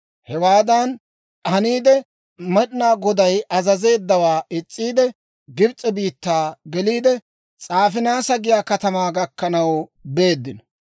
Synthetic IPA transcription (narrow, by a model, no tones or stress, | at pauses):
hɛwaːd̪ɐn | ɐniːd̪ɛ | mɛɗnaːɡɔd̪ɐjʔɐzɐze̞ːd̪ːɐwaːʔɪt͡sʼːiːd̪ɛ | ɡɪbt͡sʼːɛbiːt̪ːaːɡɛliːd̪ɛ | t͡sʼaːfɪnaːsɐɡɪjaːkɐt̪ɐmaːɡɐkːɐnɐwbe̞ːd̪ːɪnɔ